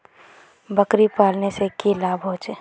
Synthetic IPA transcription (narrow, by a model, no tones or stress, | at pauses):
bəkɾipaːlnesekilaːbɦoːt͡ʃe